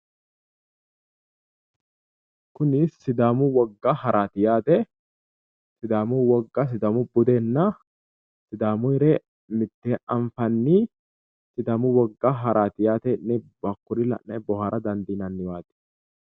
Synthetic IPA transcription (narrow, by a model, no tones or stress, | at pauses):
kʊnɪsːɪd̪aːmʊwɐɡːaːhɐɾʔaːt̪ɪjaːt̪ɛ | sɪd̪aːmʊwɐɡːas̬ɪd̪aːmʊbʊd̪enːa | sɪd̪aːmʊɪɾeː | mɪt̪ːeːɐɱfɐnːi | sɪd̪aːmʊwɐɡːaːɦɐɾʔaːt̪ɪjaːt̪ɛʔnɛbɐkːʊɾɪlɐ̰ʔɛbɔhaːɾʔɐd̪ɐnd̪iːnɐnːɪwaːt̪ɪ̥